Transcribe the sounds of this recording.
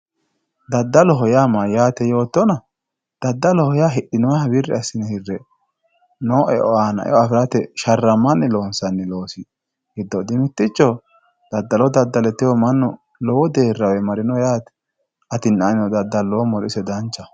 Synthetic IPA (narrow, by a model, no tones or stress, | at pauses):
d̪ɐd̪ːɐlɔɦɔjamajaːt̪ɛjo̞ːt̪ːɔnɐ | d̪̥ɐd̪ːɐlɔhɔjaɦɪɗɪnɔɐbɪrːɛ̰ɐsɪnɛhɪrːɛ | noːʔɛʔɔaːnɐ̰ʔɛ̰ʔɔɐfɪɾɐt̪ɛʃɐrːɐmːɐnːɛlo̞ːnsɐnːɛlo̞ːsɪ | hɪd̪ːɔd̪ɪmɪt̪ːɪt͡ʃːɔ | d̪̥ɐd̪ːɐlɔd̪ɐd̪ːɐlɛt̪ːɪwɔmɐnːɔ | lɔwɔd̪e̞ːrːɐwɛmɐɾɪnɔjaːt̪ɛ̥ | ʔɐt̪ɪnanɪnɔd̪ɐd̪ːɐlːɔːmɔlɪsɛd̪ɐnt͡ʃːɐ